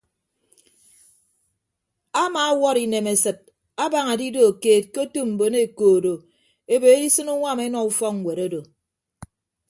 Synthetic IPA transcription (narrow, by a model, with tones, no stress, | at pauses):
a˦maː˨˦wɔ˦ɾi˨ne˨me˨sɨ˨t̚ | a˦ba˨ŋa˨di˦do˨keː˨t̚ko˦tu˦m̩˨bo˨ne˦˨koː˨do˨ | e˦be˨e˦di˦sɨ˦nu˦ŋʷa˦˨me˦nɔ˨u˦fɔ˦kŋ̩˨we˨ɾo˦do˨